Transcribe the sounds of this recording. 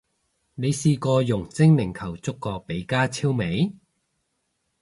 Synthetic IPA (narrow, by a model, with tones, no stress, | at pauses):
ne˨˧jsiː˧kɔː˧jʊ˨˩ŋt͡sɪ˥ŋlɪ˨˩ŋkʰɐ˨˩wt͡sʊ˥kːɔː˧pe˨˧˥jkaː˥t͡sʰiː˥wme˨˥j